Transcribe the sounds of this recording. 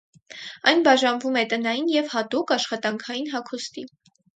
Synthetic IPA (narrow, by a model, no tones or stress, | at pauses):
ɑjnbɑʒɑnvumɛt̪ənɑjinjɛvhɑt̪ukɑʃχɑt̪ɑŋkʰɑjinɦɑkʰust̪i